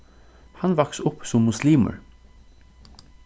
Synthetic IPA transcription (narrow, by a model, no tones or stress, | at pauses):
hɑnʋɑksʊpsɔmːʊsliːmə̰ɹ